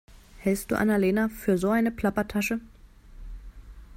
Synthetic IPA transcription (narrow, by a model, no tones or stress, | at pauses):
hɛlst̚d̥ṵːʔa̰naleːnafyːɐzoːaɪnəpʰl̥apɐtʰaʃə